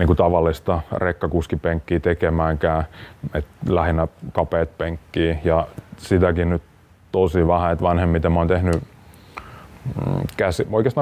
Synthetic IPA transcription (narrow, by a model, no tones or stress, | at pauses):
niːŋkut̪ɑʋɑlːist̪ɑrekːɑkuskipeŋkːiːt̪ekemæːŋkæːet̪læhinːækɑpeːt̪̚peŋkːiːjɑsit̪ækinyt̪ | t̪osiʋɑhæet̪ʋɑnhemːit̪æmoːnt̪ehny | kæsioikest̪ɑ